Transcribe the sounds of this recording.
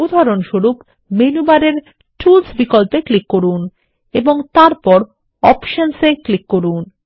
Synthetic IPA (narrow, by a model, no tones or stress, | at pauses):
ud̪ʱaɾonʃoɾup | menubaɾeɾ | ʈulsbikolpeklikːoɾun | eboŋt̪aɾpɔɾ | ɔpʃonseklikːoɾun